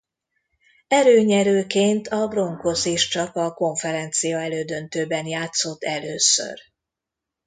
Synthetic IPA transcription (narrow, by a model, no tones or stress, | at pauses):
ɛɾøːɲɛɾøːkeːnt̪ʰɒbro̞ŋko̞seːʃt͡ʃɒkɒko̞ɱfɛɾɛnt̪sijɒɛløːd̪ø̞nt̪øːbɛnjaːt̪so̞t̪ːɛløːsø̰r